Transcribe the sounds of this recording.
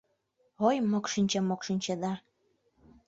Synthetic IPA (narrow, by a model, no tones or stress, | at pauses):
ojmokʃinʲt͡ɕemokʃinʲt͡ɕĕd̪ɑ